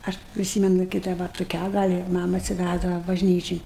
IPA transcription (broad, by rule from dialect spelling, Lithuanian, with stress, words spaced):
ˈɐʃ pʲrʲɪˈsʲiːmʲɛnʊ kɐɪ ˈdɐ ʋɐ tʊˈkʲæː ˈɡɐlʲ ɪ ˈmɑːmɐ ɐtʲsʲɪˈʋʲæzdɐʋɐ bɐʒʲˈnʲiːt͡ʃʲɪn